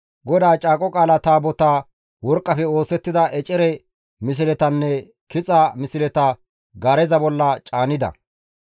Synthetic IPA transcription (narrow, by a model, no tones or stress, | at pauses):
ɡɔd̪aːt͡ʃʼaːkʼɔkʼaːlɐt̪aːbɔt̪aː | wɔɾkʼːɐfɛo̞ːsɛt̪ːɪd̪ɐʔɛt͡ʃʼɛɾɛ | mɪs̬ɪlɛt̪ɐnːɛ | kɪt͡sʼɐmɪsɪlɛt̪ɐ | ɡɐɾɛzɐbɔlːɐt͡ʃʼaːnɪd̪ɐ̰